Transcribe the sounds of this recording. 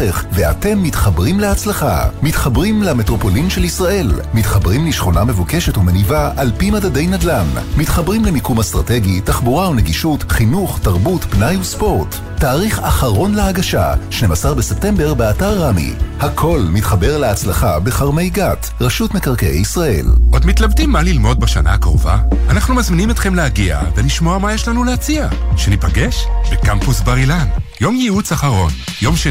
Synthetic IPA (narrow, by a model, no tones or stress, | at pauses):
eχveate̞mːitχabʁimleat͡slaχa̰mitχabʁimlametʁo̞po̞limʃelisʁaʔe̞lmitχabʁimliʃχo̞name̞vuke̞ʃe̞tumenivaʔalpimadadejnadlanmitχabʁimlemikumast̪ʁate̞ɡitaχbuʁaoneɡiʃutχinuχtaʁbutpnajuspo̞ʁtː | aːʁiχaχaʁo̞nleaɡaʃa̰ʃne̞masaʁbese̞p̚te̞mbe̞ʁbeataʁːamḭhakʰo̞lmitχabe̞ʁleat͡slaχabe̞χaʁme̞jɡat | ʁaʃutmekaʁkḛjisʁae̞̰lʔo̞dmitlavdimːalilmo̞d̚baʃa̰na̰hakʁo̰vaanaχnumazminimet̪χemleaɡia̰veliʃmoamajɛʃlanulehat͡siaʃenipaɡeʃbekampusbaʁilanjo̞mjiut͡saχaʁo̞njo̞mʃe